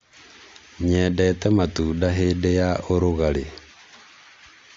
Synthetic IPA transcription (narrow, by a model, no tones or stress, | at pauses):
ɲɛdɛtɛmatudaɦedejaoɾoɣale